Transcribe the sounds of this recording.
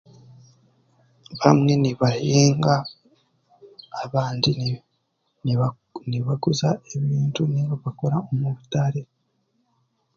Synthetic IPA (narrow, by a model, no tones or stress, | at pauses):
βamŋe̞niβaheːŋɡa | βaːndi | niβaɡuzaeβiːntʰuniβoβako̞ɾaomuβutaɾe